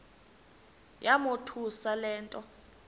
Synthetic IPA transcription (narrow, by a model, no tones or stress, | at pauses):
jamotʰusalɛːntʼɔ